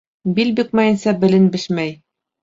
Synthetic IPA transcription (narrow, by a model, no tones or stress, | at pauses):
bilbik̚mæjɘ̆nsɑbɘ̆lɘnbɘ̆ʃmæj